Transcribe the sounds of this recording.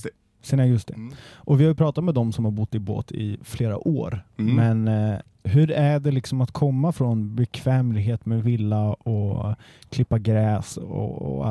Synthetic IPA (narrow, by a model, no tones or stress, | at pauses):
senaɡɵst̪ɪʔɔvɪhaɾjɵpʰɾɑːt̪at̪mɛd̪ɔmsɔmhaɾbʊt̪ːɪbo̰ːt̪ʰɪ̰fleːɾa̰ʔoːɾmɛn | ɦɵɾæɖɛlɪksɔmat̪kʰɔmːafɾɔnbɛkʰv̥ɛːmlɪɡɦeːt̪mɛvɪlːaɔ | kʰlɪpːaɡɾɛːsɔ̰ɔ̰a̰